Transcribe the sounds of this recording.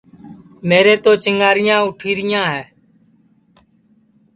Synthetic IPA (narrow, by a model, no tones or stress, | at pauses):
meːɾeːt̪oːt͡ʃɪŋɡaːɾɪjãːʊʈʰiːɾɪjãːɦɛː